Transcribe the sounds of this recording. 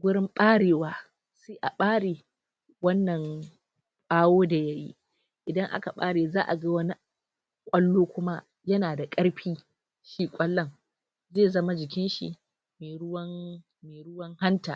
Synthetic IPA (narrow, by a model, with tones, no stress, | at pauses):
ɡʷʊ˦ɽɪ˦mɓʼaː˦ɽeː˨waː˦ | seː˦ʔa˨ɓaː˦ɽeː˨ | wɐ˦nːɐ˨ŋ | kʷʼaː˦woː˦da˨ja˦jḭ˦ | ʔɪ˨dɐ˦ŋʔa̰˦ka˨ɓa̰ː˦ɽeː˨zaː˦ʔa˨ɡa˦wɐ˦ni˦ | kʷʼɐ˦lːoː˦kʷʊ˦ma˦ | jɐ˦naː˨da˨kʼɐ˦ɽɸiː˦ | ʃiː˦kʷʼɐ˦lːɐ˦ŋ | zeː˦˨zɐ˦ma˦d͡ʒɪ˨k̬ʲɪ˦nʃḭ˨ | meː˨ɾʊ˦wɐ˦ŋ | meː˨ɽʊ˦wɐ˦ŋha˦ntaː˨